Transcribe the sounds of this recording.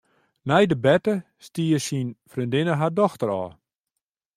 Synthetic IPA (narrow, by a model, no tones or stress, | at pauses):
nɛjdəbɛtə | stiəsinfrindɪnəɦadɔxtəɾɔ̰ː